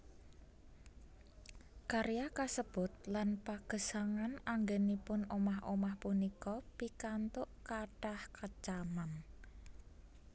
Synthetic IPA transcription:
kaɾjakasəb̥ʊ̤t̪̚lanpaɡ̥ə̤saŋanaŋɡenipʊnomaɦo̰mahpunikɔpikant̪ʊʔkaɖ̥ahkat͡ʃaman

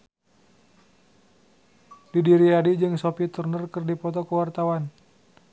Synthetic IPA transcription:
didiɾiadid͡ʒɨŋsopit̪urnərkərdipɔt̪ɔkəwart̪awan

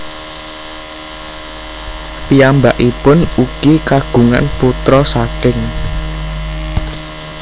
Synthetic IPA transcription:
piambaʔipʊnuɡ̥ikaɡ̥ṳŋa̰nput̪ɾɔsakɪŋ

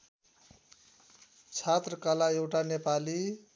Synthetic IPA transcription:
t͡sʰat̪rʌkalaewʈanepali

